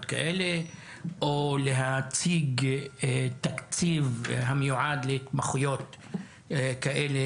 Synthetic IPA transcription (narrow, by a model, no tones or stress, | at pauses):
t̪ka̰ʔele | ʔoleɦat͡siɡ | t̪akt͡sivɦamejuʕad̪let̪maχujot̪ | kaʔele